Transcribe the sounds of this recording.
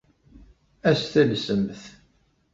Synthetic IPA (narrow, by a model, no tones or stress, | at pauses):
æsθælsəmθ